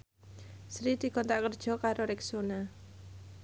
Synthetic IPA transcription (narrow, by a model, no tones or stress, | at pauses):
sɾid̪̥i̤kɔnt̪aʔkərd̥ʒ̥ɔ̤kaɾoɾɪksona